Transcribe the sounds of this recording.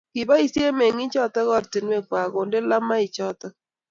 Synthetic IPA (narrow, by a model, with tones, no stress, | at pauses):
kɪ˨ba˦i˨sje˦me˨ŋi˦t͡ʃɔ˦tɔ˦ɣɔ˦ɾtɪ˨nwe˦˨kwa˨ɡo˨nde˦la˦ma˦ɪ˨t͡ʃɔ˦tɔ˦